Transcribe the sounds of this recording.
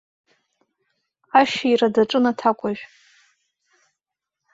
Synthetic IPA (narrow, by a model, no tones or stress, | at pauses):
aʃairadaʈ͡ʂʼɨnatʰakʷʼaʒᶣ